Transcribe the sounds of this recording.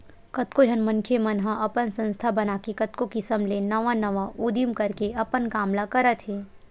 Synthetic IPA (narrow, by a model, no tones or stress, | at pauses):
kɐt̪kod͡ʒʱənmɐ̃nkʰemɐnɦãʔɐpənsɐ̃nst̪ʰabɐnaːkikɐt̪kokɪsəmlenɐʋãnɐʋaʔuːd̪imkɐɾkeɐpənkaːmlakɐɾət̪ʰɦeː